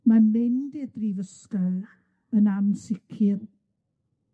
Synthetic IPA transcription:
manmɪndidrivəskal | ənamsɪkʰɪl

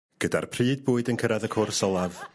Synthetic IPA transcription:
ɡ̥ədarpʰrɨːd̚buːɨdənkʰəɾaðəkʰʊrsɔlˠað

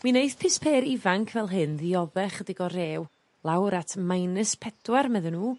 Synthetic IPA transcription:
mwinejθpʰɪspʰeːɾɪvaŋkʰvɛlˠɦɨnðiɔðɛχədɪɡɔɾeːw | lˠawɾatʰmajnɨspʰɛdwarmɛðənuː

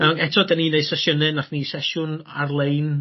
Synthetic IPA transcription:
nanɛtʰɔdaninejsɛsjənɨnaχnisɛʃʊna̰rlˠejn

